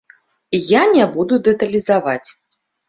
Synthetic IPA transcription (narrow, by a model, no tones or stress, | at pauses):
ijanʲɛbud̪ud̪ɛt̪ɐlʲizavat͡sʲ